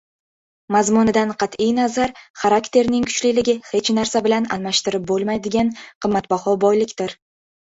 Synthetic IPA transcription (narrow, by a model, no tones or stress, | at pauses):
mazmʊnɪd̪anqʰɑt̪ʰijnazaɾχaɾakt̪ʰe̞ɾnɪŋkʰʊ̥t͡ʃlɪlɪɡʲɪhe̞t͡ʃnaɾsabɪlanalmaʃt̪ɪɾɪp̚bolˠmajd̪ɪɡʲanqʰɨmːat̪̚bahɒbɒjlɪkʲt̪ɪɾ